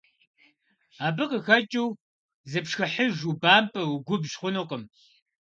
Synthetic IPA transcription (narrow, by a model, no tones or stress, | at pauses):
aːbɨqəxɐt͡ʃʼiw | zɨpʂxɐħəʒubaːmpʰʼɐwɡʷʊbʒχʷʊnoqəm